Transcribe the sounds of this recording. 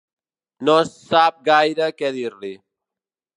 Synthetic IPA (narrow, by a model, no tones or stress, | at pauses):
nossap̚ɡajɾəkɛðiɾli